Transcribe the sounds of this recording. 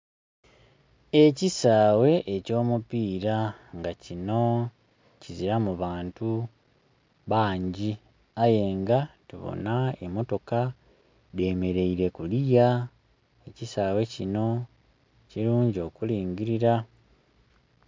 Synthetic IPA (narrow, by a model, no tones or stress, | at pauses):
e̞cisaːwe̞ʔeco̞ːmupiːɾaŋɡacino̞ | ciziɾamuβaːntu | βaːɲɟi | aje̞ːŋɡatuβo̰naemo̞to̞ka | ðe̞ːme̞ɾe̞iɾe̞kulija | ecisaːwe̞cino̞ | ciɾuːɲɟio̞ːkuliːŋɡiɾiɾa